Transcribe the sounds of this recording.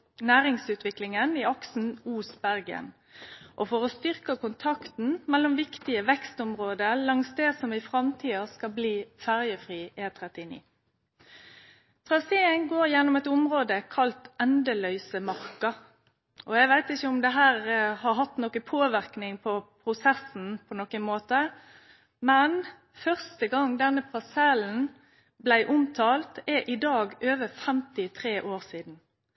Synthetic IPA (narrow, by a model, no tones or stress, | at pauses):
næːɾɪŋsʉːt̪ʋɪklɪŋəniɑksn̩uːsbæʁɡə̰n | ʔɔfɔʁɔst̪ʏʁkɑkʊnt̪ʰɑkt̪n̩mɛlːɔmʋɪkt̪ɪəʋɛkst̪ɔmʁoːd̪əlɑŋsd̪ɛːsɔmɪfʁɑmt̪ʰiːɑskɑlbliːfæʁjəfʁiːʔeːt̪ʰʁɛt̪ɪnḭː | t̪ʰʁɑseːəŋɡoːɾjɛnːɔmɛt̪ʊmʁoːd̪əkʰɑlt̪ɛnd̪əlœʏsəmɑʁkɑ | ʔɔæɪʋæɪt̪ɪçəʊmd̪ɛɦæːʁhɑɾɦɑt̪nɔkəpʰoːʋɪʁknɪŋpʰɔpʰɾʊsɛsn̩pʰɔnɔkənmoːt̪ə | mɛn | fœʁst̪əɡɑŋd̪ɛnːəpʰɑsɛln̩ | blæɪʔʊmt̪ʰɑːlt̪ɛʔɪd̪ɑːɡøːʋəfɛmt̪ɪt̪ʰʁeːʔoːʁsiːd̪n̩